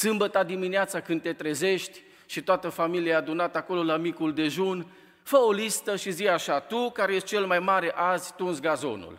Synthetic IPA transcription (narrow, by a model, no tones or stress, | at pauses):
sɨmbət̪ad̪imineat̪sakɨnd̪̚t̪e̞t̪ɾeze̞ʃt̪ʲ | ʃit̪oat̪əfamiliaaːd̪unat̪əako̞lo̞lamikuld̪e̞ʒun | fəo̞list̪əʃizijaʃat̪ukaɾejeʃt̪̚t͡ʃe̞lmajmaɾe̞ʔazʲt̪unsɡazo̞̰nṵl